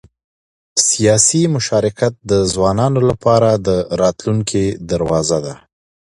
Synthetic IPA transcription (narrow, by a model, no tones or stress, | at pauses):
sijɑsimʊʃɑɾɪkat̪̚d̪əzwɑnɑnolapɑɾad̪əɾɑt̪luŋkʰid̪aɾwɑzad̪a